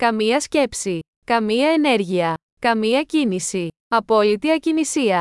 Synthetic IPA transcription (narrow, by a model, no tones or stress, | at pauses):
kɐmiɐsce̞psi | kɐmiɐene̞ɾʝiɐ | kɐmiɐcinisi | ɐpo̞lit̪iɐcinisiɐ